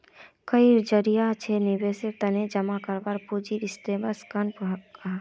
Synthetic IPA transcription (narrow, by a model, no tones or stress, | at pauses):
kəiɾd͡ʒəɾijat͡ʃʰenibeset̪ɐnẽd͡ʒɐmakəɾbaɾpud͡ʒiɾɪsʈebəskɐnka